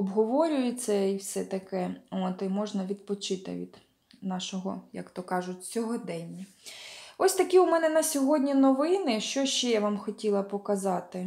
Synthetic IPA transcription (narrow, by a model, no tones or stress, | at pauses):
ɔbɦɔʋɔɾʲʊjɪt͡s̪ʲːɐiwsɛt̪ɐkɛɔt̪ɪmɔʒnɐʋʲid̪̚pɔt͡ʃɪt̪ɪ̰ʋʲḭd̪ | nɑʃɔɦɔjɐ̰kt̪ɔkɑʒʊtʲt͡sʲɔɦɔd̪ɛnʲːɐ | ɔsʲt̪ɐkʲiʊmɛnɛnɐsʲɔɦɔdʲnʲinɔʋɪnɪʃt͡ʃɔʃt͡ʃɛjaʋɑmxɔtʲilˠɐpɔkɐzɑt̪ɪ